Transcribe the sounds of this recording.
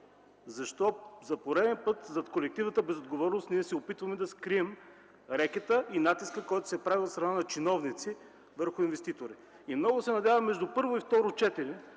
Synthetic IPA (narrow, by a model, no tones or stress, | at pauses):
zɐʃt̪ɔzɐpoɾɛd̪ɛnpɤt̪zɐt̪kolɛk̚t̪ivnət̪əbɛzod̪ɡovɔɾnost̪niɛsɛopit̪vɐmɛd̪ɐskɾiɛm | ɾɛkʲɛt̪əʔinat̪iskəkɔjt̪ʊ̥sɛpɾavilˠfsɾɐnanɐt͡ʃinɔvnit̪si | vəɾxʊinvɛst̪it̪oɾi | imnɔɡʊsɛnɐd̪ʲjavɐmːɛʒd̪upɤɾvoift̪ɔɾʊt͡ʃɛt̪iɾɛ